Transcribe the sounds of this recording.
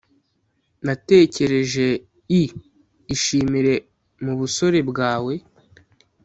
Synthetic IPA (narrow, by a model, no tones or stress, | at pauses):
nate̞ːce̞ɾe̞ʒe̞ | iː | ʃiːmiɾe̞ | muβuso̞ɾe̞bɡaːwe̞